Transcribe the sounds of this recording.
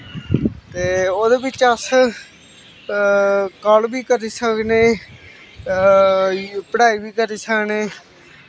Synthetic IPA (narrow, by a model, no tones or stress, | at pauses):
t̪eːoːd̪eːbɪt͡ʃəs | kəlbiːkəɾiːsəkneː | pəɽaːiːbiːkəɾiːsəkneː